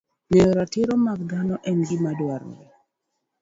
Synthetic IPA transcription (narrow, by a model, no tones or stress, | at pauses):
ŋeɔɾatɪɾɔmaɡɡanɔʔɛnɡimadwaɾɔ̰